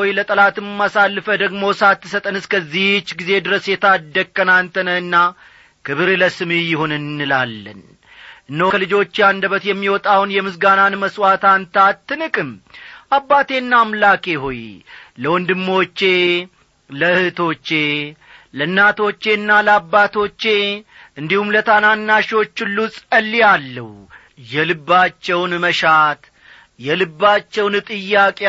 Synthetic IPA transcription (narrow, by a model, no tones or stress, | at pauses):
ojlət̪ʼəlat̪ɨmmasalːɨfəd̪əɡmo̞sat̪ːɨsət̪ʼənɨskʰəzːiht͡ʃːɡize̞d̪ɨɾəsjɛt̪ʰad̪ːəkʼːənant̪ʰənəɨnːa | kʰɨβɨɾləsɨmijɪhonɨnːɨlalːə̰n | ʔɨnːəwkʰəlɨd͡ʒo̞t͡ʃːjand̪əβət̪jɛmːiwɔt̪ʼawnjɛmɨsɡananməswat̪ʰant̪ʰat̪ːɨnɨkʼɨmʔabːat̪e̞nːaːmlake̞ɦojləwɔnd̪ɨmːo̞t͡ʃːe̞ | ləɨhɨt̪ʰo̞t͡ʃːe̞ | lənːat̪ʰo̞t͡ʃːe̞nːaləabːat̪ʰo̞t͡ʃːe̞ʔɨnd̪ihumlət̪ʰananːaʃo̞t͡ʃːɨlːusʼəlːijalːə̰h | jɛlɨbːat͡ʃːɛwnməʃat̪ | jɛlɨbːat͡ʃːɛwnt̪ʼɨjːakʼe